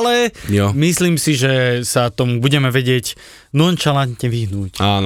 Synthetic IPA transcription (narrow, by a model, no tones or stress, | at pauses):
lɛjɔmisliːmsiʒɛsat̪ɔmubuɟɛmɛʋɛɟɪɛc | nɔnt͡ʃalant̪ɲɛʋiɦnuːcaːn